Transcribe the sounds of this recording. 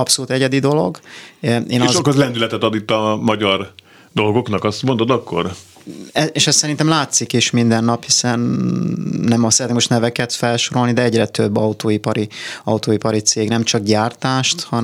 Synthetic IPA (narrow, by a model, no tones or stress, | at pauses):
ɒpso̞luːt̪ɛɟɛd̪id̪o̞lo̞̰ɡ | eːnːɒʃokɒzlɛnd̪ylɛt̪ɛt̪ɒd̪it̪ːɒmɒɟɒr | d̪o̞lɡo̞knɒkɒst̪mo̞nd̪od̪ɒkːo̞̰r | ɛeːʃɛst̪sɛɾint̪ɛmlaːt̪sikiʃmind̪ɛnːɒphisɛnː | ɛmsɛɾɛt̪ekmoʃt̪nɛvɛkɛt̪fɛlʃo̞ɾo̞lnid̪ɛɛɟrɛt̪øbːɒut̪oːipɒɾiɒwt̪oːipɒɾit̪seːɡnɛmt͡ʃɒɡɟaːrt̪aːʃt̪hɒ